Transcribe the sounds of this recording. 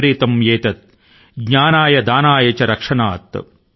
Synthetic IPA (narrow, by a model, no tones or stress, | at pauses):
ɾiːt̪ɐmjeːt̪ɐt̪̚ | ɡɲaːnaːjɐd̪aːnaːjɐt͡ʃɐɾɐkʂɐnaːt̪